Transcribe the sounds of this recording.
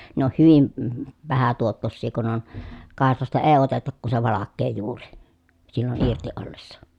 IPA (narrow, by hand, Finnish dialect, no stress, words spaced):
ne on hyʋim m ʋæhæ tuotːosːiː kun on kɑˑeslɑstɑ eː otetɑk ku se ʋɑlɑkːeː juːri silːon irti olːesːɑ